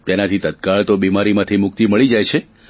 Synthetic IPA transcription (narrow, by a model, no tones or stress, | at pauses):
t̪enat̪ʰit̪ət̪kaɭt̪obimaɾimãt̪ʰimʊk̚t̪iməɭid͡ʒajt͡ʃʰe